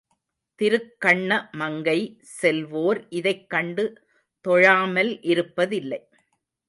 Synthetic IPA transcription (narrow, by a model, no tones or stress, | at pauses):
t̪ɪɾɯkːɐɳːɐmɐŋɡɐɪ | sɛlʋoːɾʔɪðɐɪkːɐɳɖɯ | t̪ɔɻaːmɐlʔɪɾɯpːɐðɪlːɐɪ